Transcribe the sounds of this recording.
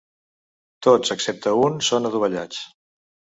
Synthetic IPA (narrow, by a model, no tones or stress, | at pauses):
t̪ot͡səksɛp̚t̪əunsonəðuβ̞əʎa̰t͡s